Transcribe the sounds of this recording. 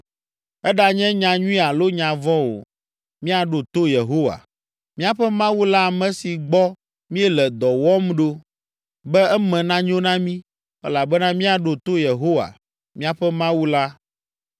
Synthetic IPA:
ɛ˦ɖa˨ɲɛ̃˦ɲã˨ɲũ˦ĩ˦a˨lo˦ɲã˨vɔ̃˦wo̰˨ | mĩ˦a˨ɖo˨t̪o˦je˨ɦo˦wa̰˨ | mĩ˦a˨ɸɛ˦mã˦wu˦la˦a˨mɛ̃˦si˨ɡ͡bɔ˦ | mĩ˦ɛ˦lɛ˨d̪ɔ˨wɔ˦mɖo˦ | bɛ˦ɛ˦mɛ̃˨nã˦ɲ˦õ˦nã˦mĩ˦ | ɛ̰˦la˨bɛ˦nã˦mĩ˦a˨ɖo˨t̪o˦je˨ɦo˦wa̰˨ | mĩ˦a˨ɸɛ˦mã˦wu˦la˦

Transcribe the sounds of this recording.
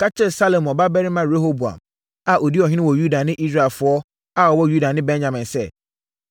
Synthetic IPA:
kʰa˦tʰɛ˦˨sa˦lo˨mɔ˨ba˦bɛ˦ɾɪ˦mã˨ɾe˦ho˦bu˨ã̰˨m | a˨ʔo˨di˦ɔ˨ɦɪ̃˦ɪ̃˦wɔ˨ju˦da˨nɪ̃˦ʔi˦s̬ɾa˨ɛ˨lfʊ˨ɔ˦ | a˦˨ɔ˨wɔ˦ju˦da˨nɪ̃˦bɛ̃˦nɲã˨mɪ̃˨nsɛ˦˨

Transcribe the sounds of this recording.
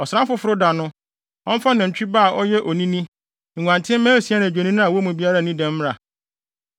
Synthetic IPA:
ɔ˨sɾã˦m˦fʊ˦fʊ˦ɾʊ˦da˨nʊ̃˦ | ɔ̃˦m̩˦fa˦nã˨ɲ̩˨t͡ɕᶣi˦ba˦˨ʔɔ˦jɛ˦ʔɔ˨nĩ˦nĩ˦ | ŋ̩˨ŋʷ˨ã˨ntʰɪ̃˦m̩˦mæ̃ː˦si˨˦a˦nã˨d͡ʑᶣe˨nĩ˦nʊ̃˦a˨wɔ˦mũ˨bi˦a˦ɾa˦˨nĩ˦dɛ̃˦m˦m˦a˨

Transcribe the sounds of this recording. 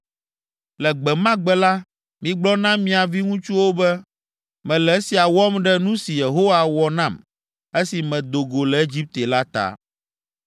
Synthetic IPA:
lɛ˨ɡ͡bɛ˨mã˦ɡ͡bɛ˦la˦ | mĩ˨ɡ͡blɔ˦nã˦mĩ˨˦a˨vi˦ŋũ˦t͡ʃu˦wo˦bɛ˦ | mɛ̃˨lɛ˨˦si˨a˨wɔ˦mɖɛ˦nũ˦si˨je˨ɦo˦wa˨wɔ˨nã˦˨m | e˦si˨mɛ̃˨d̪o˨ɡo˨lɛ˨e˦d͡ʑi˦p̚t̪e˨la˦t̪a̰˨

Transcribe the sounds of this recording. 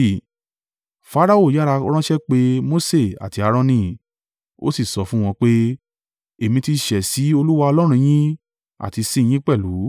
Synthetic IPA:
fa˦ɾa˦˨o˦˨ja˦ɾa˧ɾ̃ɔ̃˦ʃɛ˦k͡pe˦mo˦se˦˨a̰˨ti˧a˧ɾ̃ɔ̃˧nĩ˦ | o̰˦si˦˨sɔ˧˦fũ˦w̃ɔ̃˧k͡pe˦ | e˨mĩ˧ti˧ʃɛ˨si˨˦o˧lu˦wa˧ɔ˧lɔ˦ɾ̃ũ˧j̃ĩ˦ | a̰˨ti˧sĩ˧j̃ĩ˦k͡pɛ˦˨lu˨˦

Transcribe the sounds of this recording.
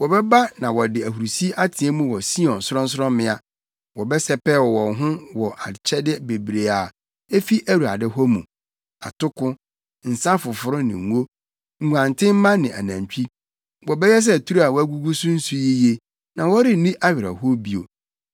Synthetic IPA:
wɔ˨bɛ˦ba˦nã˨wɔ˨dɪ˨æ˨hu˨ɾu˨si˦ʔa˦tʰɪ̃˨ɛ˦mũ˦wɔ˨si˦ɔ̃˨n˨sʊ˦ɔ̃˦n̩˦s̬ʊ˦ɾɔ̃˦mɪ̃˦a˨ | wɔ˨bɛ˦sɛ˦pɛ˦wɔ˨wɔ̃˨ɦʊ̃˦wɔ˨ʔa˨t͡ɕʰɛ˦dɪ˦be˨bɾe˨a˨ | e˦fi˦ʔæ˦ɾu˨a̰˨dɪ˦ɦɔ˦mũ˨ | a̰˨tʰʊ˦kʊ̃˦ | n̩˨sã˦fʊ˨fʊ˨ɾʊ˦nɪ̰̃˨˦o˦ | ŋ̩˨ɡu˨ã˨ntʰɪ̃˦m̩˦mã˦nɪ̃˨ʔa̰˨nã˨ɲt͡ɕᶣi˦ | wɔ˨bɛ˦jɛ˦s̬ɛ˦˨tʰu˦ɾu˦a˨wɔ˦æ˦ɡu˦ɡu˦sũ˦n̩˦su˦ji˦je˦ | nã˨wɔ˦ɾɪ˦˨nĩ˦ʔa˦ɥɪ˨ɾa̰˨ho˦bi˦o̰˨

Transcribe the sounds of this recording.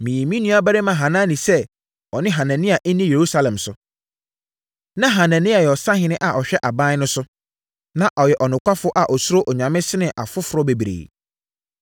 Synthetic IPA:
mĩ˨ĩ˨mĩ˦nũ˦a˦bæ˦ɾɪ˦mã˨ɦã˨nã˦nĩ˨sɛ˦ | ɔ˨nɪ̃˦ɦã˨nã˨nɪ̃˦a˨ʔɛ˦nĩ˦je˨ɾu˦sa˦lɛ̃˨msʊ˨ | nã˦ɦã˨nã˨nɪ̃˦a˨jɛ˨ɔ˨sã˦ɦɪ̃˦nɪ̃˦ʔa˨ʔɔ˨ɕᶣɛ˦ʔa˨bã˦n˦nʊ̃˦sʊ˦ | nã˨ʔɔ˨jɛ˨ʔɔ˨nʊ̃˨kʷʰa˦fʊ˦ʔa˨ʔɔ˨sʊ˦ɾo˦ʔɔ˨ɲã˨mɪ̃˦sɪ˦nɪ̃˨ʔa˨fʊ˦fʊ˨ɾɔ˦be˨bɾḛ˨

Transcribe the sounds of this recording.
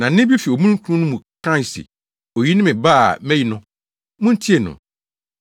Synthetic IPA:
nã˨˦ɪ̃˦bi˦fi˨o˨mũ˦kʰu˦ũ˦nʊ̃˦mũ˨kʰã˦˨sḭ˨ | o˨ji˦nɪ̃˦mɪ̃˨ba˦a˨mɛ̃˦ji˦nʊ̃˦ | mʊ̃˦n̩˦tʰi˦e˨nʊ̰̃˨

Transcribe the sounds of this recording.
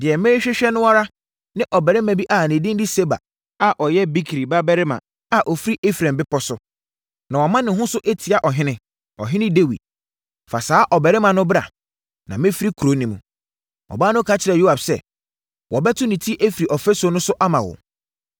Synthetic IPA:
dɪ˨ɛ˨mɪ̃˦ɾɪ˦ɕᶣɛ˦ɕᶣɛ˦nʊ̃˦wa˦ɾa˦ | nɪ̃˦ʔɔ˨bɛ˨ɾɪ˦mã˨bi˦ʔa˨nɪ̃˨dɪ̃˦n˦di˦se˦ba̰˨ | a˨ʔɔ˨jɛ˦bi˦kʰɾi˨ba˦bɛ˦ɾɪ˦mã̰˨ | a˨ʔɔ˨fi˦ɾi˦ʔe˦fɾã˨mbɪ˦pʰɔ˦sʊ˦ | nã˨wɔ˨mã˦nɪ̃˨ɦʊ̃˦sʊ˦ʔe˦tʰi˨a˨ʔɔ˨ɦɪ̃˦nɪ̃˦ | ɔ˨ɦɪ̃˦nɪ̃˦de˦wḭ˨d̚ | fa˨saː˦ʔɔ˨bɛ˨ɾɪ˦mã˨nʊ̃˦bɾa̰˨ | nã˨mɪ̃˦fi˦ɾi˦kʰu˨ɾo˨˦nĩ˨mṵ̃˨ | ɔ̰˨baː˦nʊ̃˦kʰa˦t͡ɕʰɪ˨ɾɛ˨jo˦a˨bsɛ̰˨ | wɔ˨bɛ˦tʰʊ˦nɪ̃˨tʰi˦ʔe˦fɾi˨ʔɔ˨fɛ˦so˨˦nʊ̃˦sʊ˦ʔa˦mã˨wɔ̰˨

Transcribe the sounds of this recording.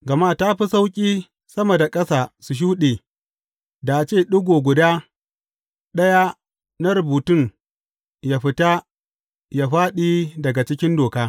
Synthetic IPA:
ɡɐ˨maː˦ta˦ɸi˦sa˦wkʲʼiː˦ | sɐ˦mɐ˨da˨kʼɐ˦saː˨su˨ʃ̬uː˦ɗeː˨ | da˨ʔa˨t͡ʃeː˦˨ɗʊ˦ɡʷoː˨ɡʷʊ˨daː˦ | ɗɐ˦ja˦ | na˦ɾʊ˨buː˨tʊ˦˨ŋ | ja˨ɸɪ˦ta˦ | ja˨ɸaː˦ɗiː˦dɐ˨ɡa˨t͡ʃɪ˦kʲɪ˦ndoː˨kaː˦

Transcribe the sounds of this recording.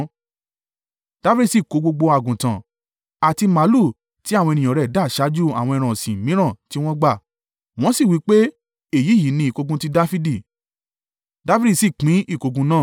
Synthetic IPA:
d̥a˦fi˦ɾi˦˨si˨ko˨˧˦ɡ͡bo˧ɡ͡bo˧a˨ɡũ˨tã̰˨ | a˨ti˧ma˨˦lu˦˨ | ti˨˦a˦˨w̃ɔ̃˧e˧nĩ˨ɔ̃˨ɾɛ˨da˨˦˨ʃa˨˦d͡ʒu˦a̰˨w̃ɔ̃˧ɛ˧ɾ̃ã˨sĩ˨mĩ˨˦ɾ̃ã˦˨ti˦w̃ɔ̃˦ɡ͡ba˦˨ | w̃ɔ̃˦si˦˨wi˨˦k͡pe˦ | e˦˨ji˨˦˨ji˨˦nĩ˧˦i˨ko˧ɡũ˦ti˦da˦fi˦di˦˨ | da˦fi˦i˦˨si˦˨k͡pĩ˨˦i˦˨ko˨˧ɡũ˧nãː˦˨

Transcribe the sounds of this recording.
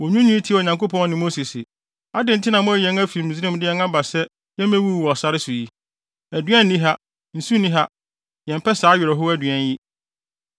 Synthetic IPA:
wɔ˨ɲũ˦nĩ˦tʰi˦˨o˨ɲã˨ŋko˦pʰɔ̃˦n˦nɪ̃˨mo˦si˨sɪ˨ | a˦dɪ̃˨n̩˨tʰɪ˦nã˨mʊ̃˦˨jɛ̃˨˦næ˦fi˨m̩˨zi˦ɾɪ̃˦m˦dɪ˦jɛ˦na˦ba˨sɛ˦ | jɛ˦mæ̃˦wu˦˨wɔ˨sa˦ɾɪ˦su˨ji˦ | æ˨dɥɛ̃˦n̩ː˦ĩ˦ɦa˦ | n̩˨su˦nĩ˦ɦa˦ | jɛ̃˨m˨pʰɛ˦saː˨˦ɥɪ˨ɾɪ˨ɦʊ˦æ˦dɥɛ̃˦nji˦

